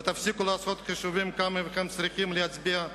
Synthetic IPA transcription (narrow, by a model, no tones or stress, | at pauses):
t̪afsikulaːsot̪χiʃuvimkamevχemt͡sɾikimleat͡sbia